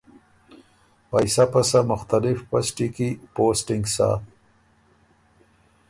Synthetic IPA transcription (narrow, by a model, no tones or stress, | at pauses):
pajsapasamʊxt̪alɪfpasʈikipoːsʈɪŋɡsa̰ːt̪